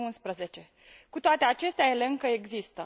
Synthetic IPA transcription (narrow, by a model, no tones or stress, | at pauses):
unspɾəze̞t͡ʃe̞ | kut̪oat̪e̞at͡ʃe̞st̪eajeleɨŋkəe̞ɡzist̪ə